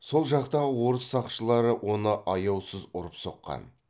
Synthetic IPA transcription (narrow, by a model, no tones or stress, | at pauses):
so̞lˠʒɑqt̪ɑʁəwo̞ɾəsːɑqʃəlˠɑɾəwʔo̞nəʔɑjɑwsəzʊɾəpso̞̰qːɑ̰n